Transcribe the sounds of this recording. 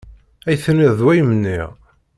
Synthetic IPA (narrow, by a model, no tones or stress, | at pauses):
æjθniððwæjəmənːiʁ